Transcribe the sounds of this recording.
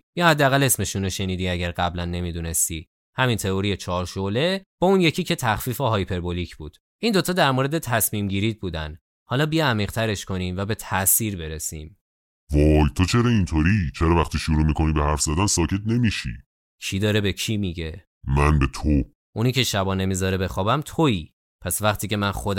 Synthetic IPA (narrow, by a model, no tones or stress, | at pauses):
jɒːhæd̪ːeæɣæle̞sme̞ʃunoʃe̞niːd̪iːæɟæɾɢæblænːe̞mid̪une̞st̪i | hæmint̪ʰe̞oɾijet͡ʃʰɒːɾʃole̞b̥ɒːunje̞cʰiːcʰe̞t̪ʰæxfifeɦɒjpʰe̞ɾbolicʰb̥uːd̪̥ | ʔind̪o̞t̪ʰɒːd̪æɾmoːɾe̞d̪e̞t̪ʰæsmiːmɟiːɾiːd̪̚buːd̪æ̰n | hɒːlɒːbiæmiːʁt̪ʰæɾe̞ʃkʰo̞niːmvæbe̞t̪ʰæʔsiːɾbe̞ɾesḭːm | vɒjt̪ʰot͡ʃʰe̞ɾɒint̪ʰoɾit͡ʃʰeɾɒvæχt̪ʰiʃuɾuːmikʰo̞nibehæɾfzæd̪ænsɒːcʰe̞t̪̚ne̞miʃḭ | cʰid̪ɒːɾebecʰimiɟe̞ | mænbe̞t̪ʰo | ʔuniːcʰe̞ʃæbɒːne̞mizɒɾebe̞xɒːbæmt̪ʰoiː | pʰæsvæχt̪ʰiːce̞mænxod̪